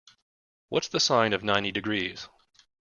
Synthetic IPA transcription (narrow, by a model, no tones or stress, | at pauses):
wʔʌtsðəsãɪ̃nʌvnãɪ̃ñtidɨɡɹiz̥